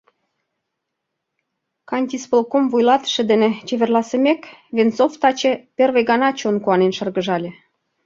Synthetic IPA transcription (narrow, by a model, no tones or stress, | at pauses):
kɑnʲt̪ʲispəlkomvujlɑt̪ə̥ʃə̆d̪enĕt͡ɕeverlɑsəmekvʲent͡soft̪ɑt͡ɕĕpʲervejɡɑnɑt͡ɕonkuɑnenʃərɣəʒɑlʲĕ